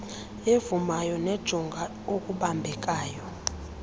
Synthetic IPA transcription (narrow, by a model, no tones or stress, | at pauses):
evumajɔnɛd̥ʒ̥ʱɔŋɡʱa | okʼuɓambʱɛkʼaːjɔ